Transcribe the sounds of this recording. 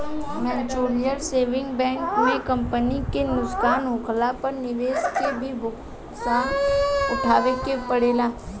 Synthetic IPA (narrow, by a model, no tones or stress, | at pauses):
mɛt͡ʃoːɾijəɾseːʋɪ̃ŋɡbɛ̃ːŋkmẽkɐ̃mpənikenʊskaːnɦʊkʰlapɐɾnɪʋeːskebʱibʊk | saːʊʈʰaːʋekepəɽeːlaː